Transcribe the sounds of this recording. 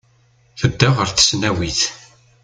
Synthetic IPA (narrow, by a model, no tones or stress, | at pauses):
θəd̪ːaʁəɾθə̥snæwiθ